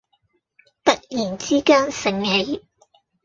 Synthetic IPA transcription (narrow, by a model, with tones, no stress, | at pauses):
t̪ɐ˥t̚jiː˨˩nt͡siː˥kaː˥ŋsɪ˨ŋhe˨˧˥j